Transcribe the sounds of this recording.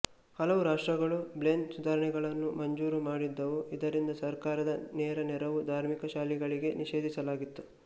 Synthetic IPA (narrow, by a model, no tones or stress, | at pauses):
hɐlɐʋuɾaːʂʈɾɐɡɐɭublend̪sud̪ʱaːɾɐɳɛɡɐɭɐnːumɐɲd͡ʒuːɾumaːɽid̪ːɐʋuʔid̪ɐɾind̪ɐsɐɾkaːɾɐd̪ɐnɛːɾɐnɛɾɐʋud̪ʱaːɾmikɐʃaːliɡɐɭiɡe̞niʃe̞ːd̪ʱisɐlaːɡit̪ːu̥